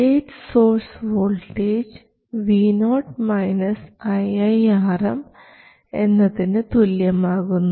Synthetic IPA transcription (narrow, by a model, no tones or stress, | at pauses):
eːʈsoːrsʋoːlʈeːd͡ʑ | ʋiːnoːʈmɐjnɐsɐjɐjaːrɐm | e̞nːɐðinɨt̪uljɐmaːɣunːu